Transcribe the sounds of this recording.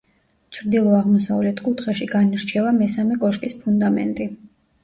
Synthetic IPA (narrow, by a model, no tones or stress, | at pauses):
t͡ʃʰɾd̪ilˠɔaʁmɔsa̰vlɛt̪ʰkʼut̪ʰχɛʃiɡaniɾt͡ʃʰɛvamɛsamɛkʼɔʃkʼispʰund̪amɛ̰nt̪ʼi